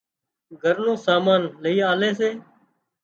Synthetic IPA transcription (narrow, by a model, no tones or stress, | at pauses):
ɡʱəɾnõːsaːmaːnləiːaːleːseː